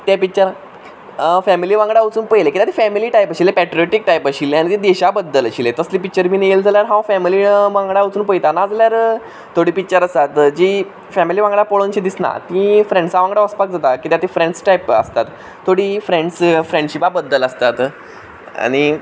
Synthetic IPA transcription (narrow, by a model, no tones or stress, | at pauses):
t̪japit͡ɕəɾ | fɛmiliʋãŋɡɽaut͡suːnpəjlekit̪at̪ifɛmiliʈajpəɕilepɛʈɾioʈik̚ʈajpəɕilːeañit̪id̪eɕabəd̪ːələɕilet̪əslipik̚t͡ɕəɾbineeld͡zaljaɾɦãfɛmiliʋãŋɡɽaut͡suːnpəjt̪anad͡zaljaɾ | t̪ʰoɽiːpit͡ɕəɾəsat̪d͡ʑiː | fɛmiliʋãŋɡɽapoɭont͡ɕid̪isna̰t̪ĩfɾẽɳɖsaʋãŋɡɽaəspak̚d͡zat̪akit̪jat̪ifɾẽɳɖsʈajpə̰st̪at̪ʰː | oɽifɾeɳɖsfɾeɳɖɕipabəd̪ːələst̪at̪ | a̰ɽ̃i